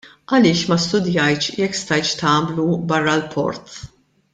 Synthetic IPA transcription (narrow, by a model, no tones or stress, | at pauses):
ʔɐlɪːʃmɐst̪ʊd̪jɐjt͡ʃjɛkːst̪ɐjt͡ʃt̪ɐːmlubɐrːɐlpʰɔ̰ɾt̪